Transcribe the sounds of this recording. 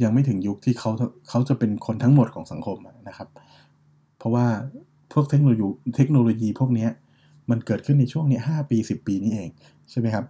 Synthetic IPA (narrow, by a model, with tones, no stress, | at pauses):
ja˧ŋma˥˩jt̪ʰɯ˩˦ŋju˦˥k̚t̪ʰiː˥˩kʰa˦˥wt̪a˧kʰa˦˥wt͡ɕa˨˩pe˧nkʰo˧nt̪ʰa˦˥ŋmo˨˩t̪̚kʰɔː˩˦ŋsa˨˩˦ŋkʰo˧mʔa˨˩na˦˥kʰa˦˥p̚ | pʰːɔ˦˥waː˥˩ | pʰu˥˩ək̚t̪ʰe˦˥k̚noː˧juː˧t̪ʰe˦˥k̚noː˧loː˧jiː˧pʰu˥˩ək̚ni˦˥ɐ | ma˧nkɤː˨˩t̪̚ʰɯ˥˩nːa˧jt͡ɕʰu˥˩əŋni˦˥ɐɦaː˥˩piː˧si˨˩pːiː˧niː˦˥ʔeː˧ŋ | t͡ɕʰa˥˩jma˦˥jkʰa˦˥p̚